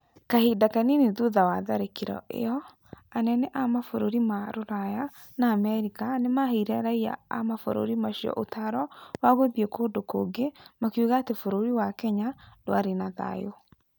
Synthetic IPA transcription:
kahedakaniniðuðawaðaɾekiɾɔ̰ʔḛjɔ | anɛnɛʔamafoɾoɾimaɾoɾaja | naːmɛɾikanemaheɾɛɾaija̰a̰mafo̰ɾo̰ɾimaʃiɔ̰ʔotaɾɔwaɣobiekoːndoko̰ɡemakiuɣaːtefoɾoɾiwakɛɲadwa̰ɾenaða̰jo

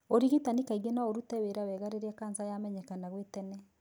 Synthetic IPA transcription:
oɾiɣitanikaiɣenaoɾutɛweɾawɛɣaɾeɾeakaːnzajamɛɲɛkanaɣwetɛnɛ

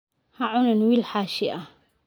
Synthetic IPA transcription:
hɐʕʊnɐnwilħaːʃɪʔɐ

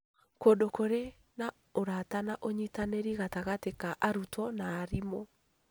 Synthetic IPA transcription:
koːdokoɾe | na | oɾatanaʔoɲitaneɾiɣataɣatekaʔaɾutwɔnaːɾimo

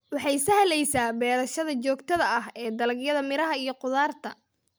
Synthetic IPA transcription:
wɑħɑjsɐhlɛjsaːbɛːɾɐʃɐðɐt͡ʃɔːɡt̪ʰɐðɐʔɐɦɛːd̪ɐlɐɡjɐðɐmɪɾɐɦɐijɞqʊðaːrt̪ʰɐ

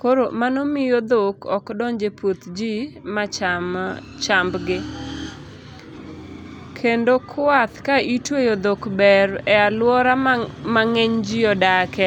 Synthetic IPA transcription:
koɾomanomɪjod̪okɔkdɔɲd͡ʒepwot̪d͡ʒimat͡ʃa | t͡ʃambɡɪ | kʰendokʰat̪kaʔitwejod̪okbɛrɛalwɔɾamaŋeɲd͡ʒiɔdakɛ

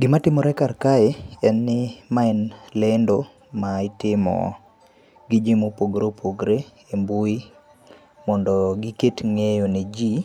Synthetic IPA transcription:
ɡɪmatɪmɔɾɛkarkaeɛnːɪmaɛnlendo | maɪtɪmɔ̰ | ɡɪd͡ʒimopoɡɾopʰoɡɾe | embui | mɔndɔɡiketŋejoned͡ʒi

